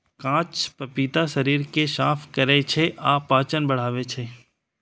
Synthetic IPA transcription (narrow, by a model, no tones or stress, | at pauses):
kãːt͡ʃpɐpiːt̪aʃɐɾiːɾkeʃaːpʰkɐɾet͡ʃʰeʔaːpːaːt͡ʃənbɐɽ̤aːʋet͡ʃʰeː